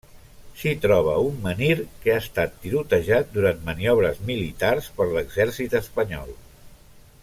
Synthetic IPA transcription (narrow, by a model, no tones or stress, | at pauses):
ʃit̪ɾɔβ̞əumːəniɾkeast̪at̪̚ːiɾut̪əʒat̪̚d̪uɾant̪məniɔβ̞ɾəzmilit̪arspəɾləɡzɛɾsit̪əspəɲɔ̰lˠ